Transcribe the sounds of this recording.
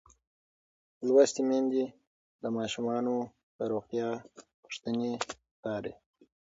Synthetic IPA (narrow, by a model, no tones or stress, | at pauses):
lwast̪imend̪i | d̪əmɑʃumɑno | t̪əɾoxt̪jɑpʊ̥ʂt̪əne | k̪ɑːɾḛ